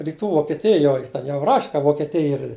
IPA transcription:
rʲiːˈtuː ʋoːkʲɛˈtʲɪjoːj ˈtʲɛn jɛʊ rɐʃʲ kɐ ʋoːkʲɛˈtʲɪj ɪr

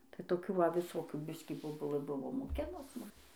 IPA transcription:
tɐɪ toːˈkʲuː ʋɐ ʋʲɪˈsoːkʲuː ˈbʲɪsʲkʲiː boːˈbʊlˠɘ ˈbʊʋoː moːˈkʲɪnʊs ˈmʊm

